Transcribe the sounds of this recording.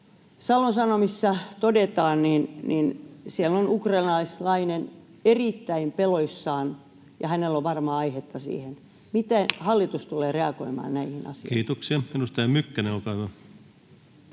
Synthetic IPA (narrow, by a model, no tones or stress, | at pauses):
sɑlːonsɑnomisːɑt̪odet̪ɑːnninninsielonukrɑinɑislɑinen | erit̪ːæimpeloisːɑːn | jɑhænelːoʋʋɑrmɑɑihet̪ːɑsḭːhen | mit̪ehɑlːit̪ust̪uleːreɑkoimɑ̰ːnnæihinɑ̰siokiːt̪oksiɑminust̪ɑɑmykːæneolkɑːʋɑ